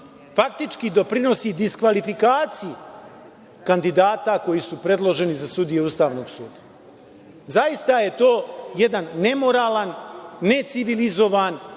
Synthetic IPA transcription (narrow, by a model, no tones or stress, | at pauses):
fak̚t̪it͡ʃkid̪o̞pɾino̞sid̪iskʋalifikaːt̪siji | kand̪id̪aːt̪ako̞jisupɾe̞d̪lˠo̞ʒe̞nizasud̪ijeust̪aːʋno̞ːɡsuːd̪ḁ | zaist̪aje̞t̪o̞ːje̞d̪anːe̞mo̞ɾaːlanːe̞t̪siʋilizo̞ʋan